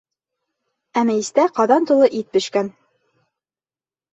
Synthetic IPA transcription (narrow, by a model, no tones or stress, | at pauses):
æmæist̪æqɑðɑnt̪ŭlˠɤʔit̪̚bɵ̆ɕkæn